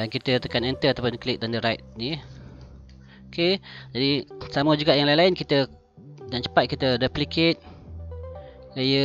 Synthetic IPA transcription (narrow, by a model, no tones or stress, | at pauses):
dankit̪ət̪əkanɛnt̪əat̪awpʊnklɪk̚dandəɾajt̪̚ni | oked͡ʒadisaməd͡ʒuɡaʔjaŋlainlaɪnkit̪ə | naʔt͡ʃə̥pat̪̚kit̪ədəpliket̪̚ | lejə